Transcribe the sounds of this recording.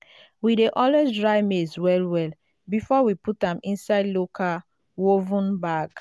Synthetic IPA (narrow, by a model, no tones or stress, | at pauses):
wideʔɔlwesdɹaɪmeswɛlwɛl | bifɔwiputãmĩnsaɪdlokʰa | wovũnbaɡ